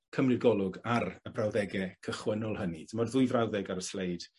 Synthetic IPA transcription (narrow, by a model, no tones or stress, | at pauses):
kʰəmlɪɡɔlˠʊɡaɾəbrawðɛɡɛkʰəχwənʊlˠhənitʰəmɔdðʊjvrawðɛɡaɾəslejd̥